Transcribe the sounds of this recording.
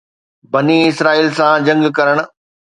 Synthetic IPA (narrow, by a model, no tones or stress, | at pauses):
bɐniɪsɾaːiːlsãd͡ʑɐ̃ŋɡkɐɾəɽ̃̆